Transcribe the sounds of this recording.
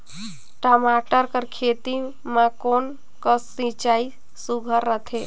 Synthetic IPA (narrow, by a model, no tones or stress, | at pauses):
ʈɔmaʈəɾkəɾkʰet̪i | mãkon | kəsĩt͡ʃai | suɡʱəɾːət̪ʰe